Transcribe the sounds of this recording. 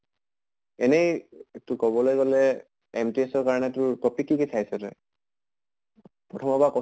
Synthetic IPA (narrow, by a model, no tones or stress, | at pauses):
ɛnejtʊkɔbɔlojɡɔlɛ | emtiɛsɔɹkaɹɔnɛtʊɹkɔpikːikesʰajsɛtɛ̰ | pɹɔtʰɔmɔbakɔ